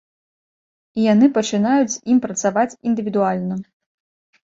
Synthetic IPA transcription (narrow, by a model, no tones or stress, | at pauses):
ijanɨpɐt͡ʂɨnajut͡sʲzʲimpɾɐt̪savat͡sʲind̪ɨvʲid̪ualʲnɐ